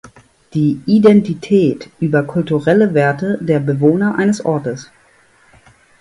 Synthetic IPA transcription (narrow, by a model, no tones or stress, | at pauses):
d̥iːʔidɛntitʰɛːtʔyːbɐkʰʊltuʁɛləveːɐtədeːɐbəvoːnɐʔaɪnəsʔɔɐtəs